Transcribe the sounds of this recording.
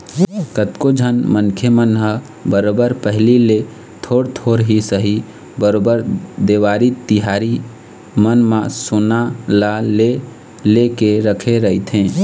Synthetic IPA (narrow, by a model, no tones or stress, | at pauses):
kət̪kod͡ʒʱənmənkʰemənɦə | bəɾobəɾpəɦlile | t̪ʰoːɽt̪ʰoɾɦisəɦi | bəɾobəɾd̪eʋaːɾit̪iɦaɾi | mənmãsonalale | lekeɾəkʰeɾəɦit̪ʰɦẽː